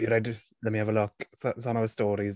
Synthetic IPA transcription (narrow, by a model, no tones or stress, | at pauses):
jəɹɛd | lɛtmiavəlʊksəsə̃məəstɔːɾiz